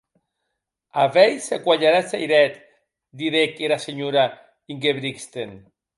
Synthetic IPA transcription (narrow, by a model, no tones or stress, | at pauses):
avɛjsekwaʎaɾasajɾɛt̪ | d̪iɾekeɾaseɲuɾa | iŋɡeβɾikst̪en